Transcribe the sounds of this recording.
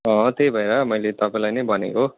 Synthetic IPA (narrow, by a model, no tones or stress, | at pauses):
ʌ̃t̪ejbʱʌeɾʌmʌjlet̪ʌpãĩlajnʌjbʱʌnḛko